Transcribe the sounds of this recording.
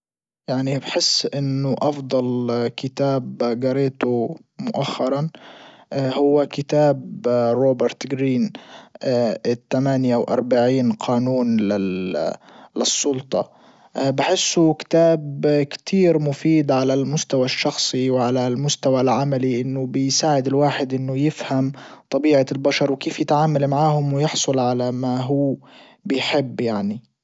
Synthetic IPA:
jaʕnibħɪsːʔɪnːʊʔɑfd̪ˤɑlkɪt̪aːbɡɑɾeːt̪ʊ | mʊʔaxːɑɾˤɑn | hʊwːakɪt̪aːbɾoːbɪɾt̪ɡɾiːn | t̪ːamaːnjawʔɑ̰ɾˤbaʕiːnqʰɑːnuːnlɪ | lɪsˤːʊlt̪ˤɑ̰ | bɪħɪsːʊkɪ̥t̪aːbkt̪ʰiːɾmʊfiːd̪ʕalalmʊst̪awaʃːɑxsˤiwʕalalmʊst̪awalʕamaliʔɪnːʊbɪjsaːʕɪd̪ɪlwaːħɪd̪ʔɪnːʊjɪfhamt̪ˤɑbiːʕalbaʃɑɾˤwkeːfjɪt̪ʕaːmalmaʕaːhʊmwɪjɪħsˤʊlʕalamaɦuː | bɪjħɪbːjaʕni

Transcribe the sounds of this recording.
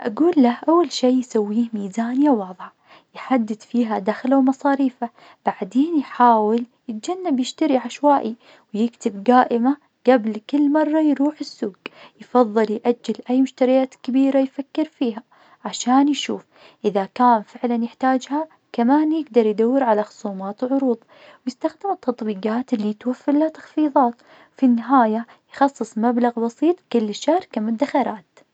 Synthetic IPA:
ʔa̰ɡuːlːahʔawːalʃiːjsawːiːhmiːzaːnjawɑːðˤʕa | jħad̪ːɪd̪fiːɦad̪axlawmɑsˤɑːɾiːfa | b̥aʕd̪eːnjħaːwɪljɪt̪̚d͡ʒanːabjɪʃt̪aɾiʕaʃwaːʔi | wjɪkt̪ɪbɡaːʔɪma | ɡ̥ablkɪlːmɑrˤːɑjɾuːħɪsːuːɡjfɑðˤːɨljʔad͡ʒːɪlʔajːmʊʃt̪aɾɪjaːt̪kɪbiːɾajfakːɪɾfiːɦa | ʕaʃaːnjʃuːf | ʔɪðakaːnfɪʕlanjɪħt̪aːd͡ʒha | kamaːnjɪɡd̪ɑɾˤjd̪awːɪɾʕalaxʊ̥sˤuːmaːt̪wʕʊɾuːðˤ | wjɪst̪axd̪ɪmɪt̪ːɑt̪ˤbiːqɑːt̪ɪlːit̪wafːɪɾlat̪ɑ̥xfiːðˤɑːt̪ | wfinːɪɦaːja | jxɑsˤːɨsˤmablaɣbɑsˤiːt̪ˤkɪlːʃːahɾkamʊd̪ːaxaɾaːt̪

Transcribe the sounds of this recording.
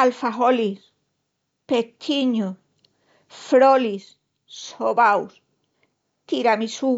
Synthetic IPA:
alfaɦolis | pet̪ʰiɲu | fɾolis | soβaws | t̪iɾamisu

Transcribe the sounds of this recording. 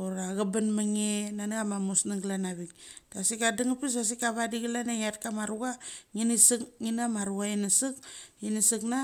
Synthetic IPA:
oɾaɡabanmaŋenanɡamamusnaŋɡlanaβik̚tasikadiŋapis̬as̬ikaβadiɡilanaŋat̚kamaɾuɣaŋinisɨkŋinamaɾuɣainasɨk̚inisɨkna

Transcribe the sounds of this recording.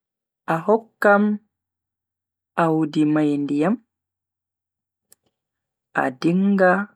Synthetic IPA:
ʔaɦɔkːam | awudimajndijam | ʔa̰diŋɡa

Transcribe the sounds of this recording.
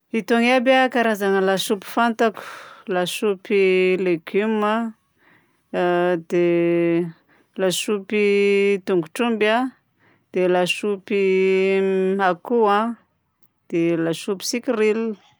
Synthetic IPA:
it̪oŋabakaɾazaŋəlasupi̥fant̪aku̥lasupileɡuma | d̪e | lasupit̪uŋɡuʈ͡ʂumba | d̪̥elasupi | akuã | d̪̥elasupi̥sikʲiril

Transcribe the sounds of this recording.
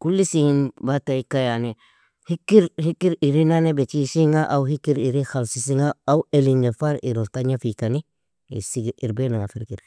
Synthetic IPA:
kulːisiinbataikajane | hikːiɾhikːiɾiɾinanebet͡ʃisiŋaʔawɦikːiɾiɾixalsisiŋaawelinefaɾiɾotaɲafikani | ḭsiɡiɾbenaŋafiɾkiɾ

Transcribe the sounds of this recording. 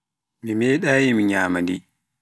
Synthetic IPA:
mimɛːɗaːjimiɲaːmandḭ

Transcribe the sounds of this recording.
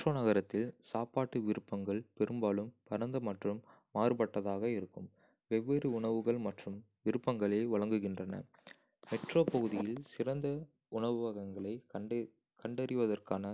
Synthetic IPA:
ʈroːnɐɣɐɾɐt̪ːɪlsaːpaːʈːɯʋɪɾɯpːɐŋɡɐɭpɛɾɯmbaːɭɯmpɐɾɐnd̪ɐmɐʈrɯmː | aːrɯpɐʈːɐðaːɣɐɪɾɯkːɯm | ʋɛʋːeɾɯʊɳɐʋɯɣɐɭmɐʈrɯm | ʋɪɾɯpːɐŋɡɐɭeːʋɐɭɐŋɡɯɣɪndrɐnɐ̰ | mɛʈroːpɐɣɯðɪjɪlsɪɾɐnd̪ɐ | ʊɳɐʋɯʋɐɣɐŋɡɐɭɐɪ | kɐɳɖɐɾɪʋɐðɐrkaːnɐ

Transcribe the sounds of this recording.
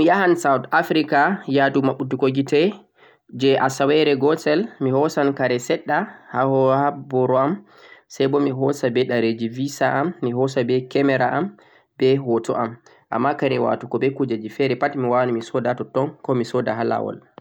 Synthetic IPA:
mijahansawtafɾikajadumaɓːutukoɡitɛ | d͡ʒɛʔasawɛɾɛɡɔsɛlmihɔsankaɾɛsɛɗːahahɔhabɔɾɔam | sajbɔmiɦɔsabɛɗaɾed͡ʒivisaʔamːiɦɔsabɛkɛmɛɾaʔam | bɛhɔtɔ̰ʔam | ʔa̰mːakaɾɛwa̰tukɔbɛkud͡ʒad͡ʒifɛɾɛpatmiwanumisɔdatɔtɔnkɔmisɔdaɦala̰wɔ̰l

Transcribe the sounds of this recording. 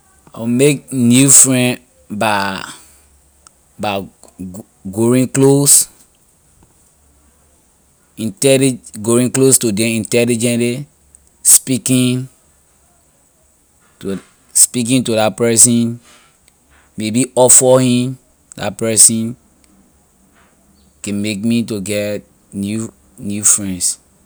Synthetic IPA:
amek̚njufɹɛ̃n | ba | ba | ɡoĩŋklos | ĩntɛliɡoĩŋklostudɛĩntɛlid͡ʒɛ̃nle | spikĩn | tu | spik̬ĩntudapɛsĩn | mebiɔfɔhĩm | da̰pɛsĩn | kɛ̃mekmituɡɛt | nju | njufɹɛ̃nds

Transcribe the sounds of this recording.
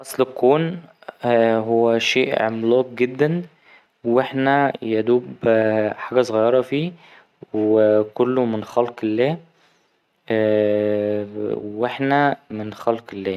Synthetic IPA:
ʔɑsˤlkːoːn | ɦowːæʃeːʔʕo̰mlɑːq̚ɡed̪ːæn | weħnæjæd̪uːbħaːɡæsˤoɣɑjːɑɾˤɑfiː | wekolːomenxælqelːæː | weħnæmenxɑlqelːæː

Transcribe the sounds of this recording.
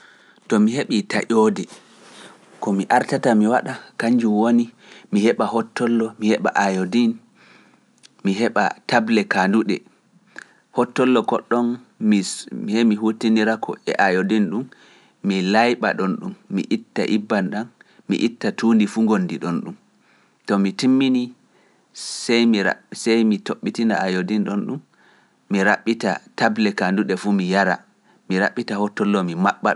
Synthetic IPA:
tɔmiheɓita̰ʔodɛ | kɔmiʔaɾtatamiwaɗakaɲd͡ʒumwoni | mihɛɓahɔtːɔlːɔmihɛɓa̰ʔajodin | miɦɛɓa̰tablɛkanduɗɛ | hɔtːɔlːɔkɔɗːɔnmimhemiɦutiniɾakʰɔ̰ɛ̰ʔajodinɗumː | ilajɓaɗɔnɗumːḭʔitːa̰ʔibːanɗan | mḭʔitːatuːndifuŋɡonːdiɗɔnɗum | tɔmitimːini | sɛjmḭsɛjmitoɓːitina̰ajodinɗɔnɗumː | iɾaɓːita̰tablɛkanduɗɛfumijaɾa̰ | miɾa̰ɓːitahɔtːɔlːɔmimaɓːa̰

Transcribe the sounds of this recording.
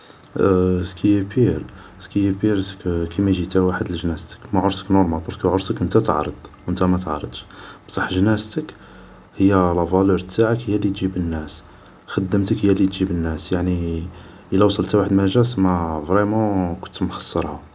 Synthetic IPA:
skijpiɾ | skijpiɾkkimæʒit̪æwaħəd̪əlʒnæst̪ə̥kmæʕʊɾsəknʊɾmalbɑɾkʕʊɾsəkʔənt̪æt̪ʕɾˤəd̪ˤwʔənt̪æmæt̪ʕ̰ɾˤə̰d̪ʃbsˤɑħʒnæst̪ək | həjːælɑvɑluɾt̪ʰːaʕəkhəjːælit̪ʒibənːæs | xɑd̪ːəmt̪əkhəjːælit̪ʒibənːæsjaʕni | ʔəlæwsˤəlt̪waħəd̪mæʒæsmævɾimɑ̃kʊ̥nt̪mxɑ̥sˤːɑɾˤhɑ

